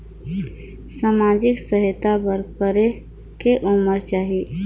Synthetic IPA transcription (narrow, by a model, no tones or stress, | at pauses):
saːmaːd͡ʒɪksəɦɪt̪abəɾkəɾe | keʔʊməɾt͡ʃaːɦi